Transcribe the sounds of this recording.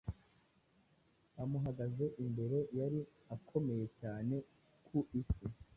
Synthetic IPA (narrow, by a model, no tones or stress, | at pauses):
amuɦaɡaze̞ʔimbe̞ɾe̞jaɾi | akʰo̞me̞je̞caːne̞ | kʰuʔisi